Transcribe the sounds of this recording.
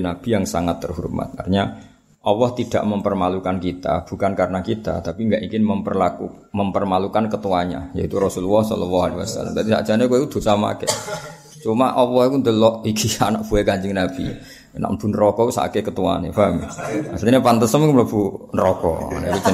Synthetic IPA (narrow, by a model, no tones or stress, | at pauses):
nab̥i̤jaŋsaŋat̪ːərhuɾpma̰t̪̚a̰rɲa | ɔwɔht̪id̥a̰ʔməmpərmalukankit̪a̰b̥ṳkankaɾənakit̪a̰t̪apiŋɡaʔikɪnməmpərlaku | məmpərmalukankət̪uaɲa̰ja̰it̪uɾɔsuluɔhsɔ̰lɔlːahalewasa̰la̰mt̪ad̪isa̰dd͡ʒ̥anakuekud̪̥o̤sama̰kḛ | t͡ʃumaʔɔwɔhkund̪əlɔʔikianaʔ̚b̥uekaɲd͡ʒɪŋnab̥i | na̰ʔmb̥unɾɔkɔkusa̰kekət̪ua̰nḛfamiasɲapant̪əsəmkmləbunɾɔkɔ̰a̰naikuk